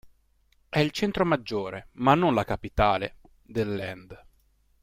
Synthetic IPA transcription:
ɛilt͡ʃɛnt̪ɾomad͡ʒːoːɾemanːonlakapit̪aːlḛ | d̪elːɛnd̪

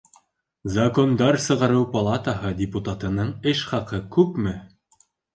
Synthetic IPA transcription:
zɐkond̪ɑɾsɤ̆ʁɑɾɤwpɐlˠat̪əɦɤdʲɪput̪at̪ɤ̆nɤɴɘʃχɑqɤkʉpmɘ

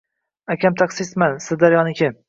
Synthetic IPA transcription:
akʲamt̪ʰaqsɪsmansɪzd̪aɾjɒnɪkʲʰɪ

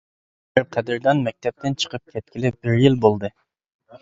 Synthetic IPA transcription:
ɪɾqʰɛd̪ɪɾd̪ɑnmɛk̚ʲt̪ʰɛp̚t̪ʰɪnt͡ʃʰə̥qʰəp̚kʲʰɛt̪̚kʲilɪp̚b̥ɪɾjilbolˠd̪ɨ

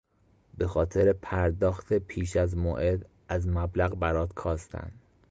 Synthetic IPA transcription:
be̞xɒːt̪ʰe̞ɾepʰæɾd̪ɒːxt̪ʰe̞pʰiːʃæzmoʔed̪ | æzmæblæɣbæɾɒːd̪kʰɒːst̪ʰæ̰nd̪̥

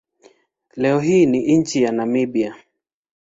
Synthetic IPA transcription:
lɛɔɦiːniʔiɲ̩t͡ʃijanamibia

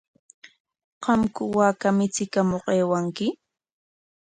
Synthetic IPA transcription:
qɑmkʊwaːkamɪt͡sɪkamoqeːwaŋkɪ

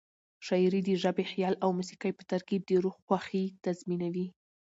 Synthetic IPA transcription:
ʃɑjɾid̪əʒabexijɑlawmusi̥kajpə̥t̪aɾkid̪əɾuɣxwaxit̪azminawi

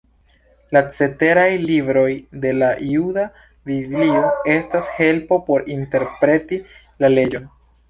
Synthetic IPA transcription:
lat͡se̞te̞ɾajlibɾo̞jde̞laiuda | viblio̞e̞stashe̞lpo̞po̞ɾinte̞ɾpɾe̞ti | lale̞d͡ʒo̞n

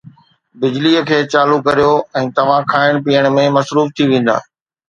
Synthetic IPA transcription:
bɪd͡ʑliəkʰeːt͡ɕaːlukɐɾijoɛ̃ːt̪ɐʋ̤ãkʰaːɪɽ̃piːəɽ̃mẽmɐsɾuːft̪ʰiʋẽːn̆d̪a̰ː

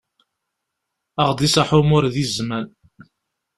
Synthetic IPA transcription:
əʁd̪ˤisaħʊmʊɾðizmæn

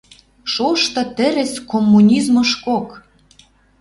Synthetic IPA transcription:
ʃoʃt̪ɤ̆t̪ɘ̆ɾɘ̆skomːunʲizmɤ̆ʃkok

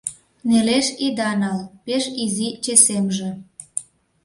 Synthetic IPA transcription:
neleʃid̪ɑnɑlpeʃizit͡ɕesemʒĕ

